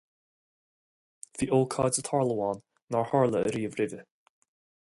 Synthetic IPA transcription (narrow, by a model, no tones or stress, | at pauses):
ðiːʔoːlˠkʰɑːdzət̪ʰɑɹlˠəwɑːnː | aɹhɑɹlˠəə̰ɾiːəvɾɪvə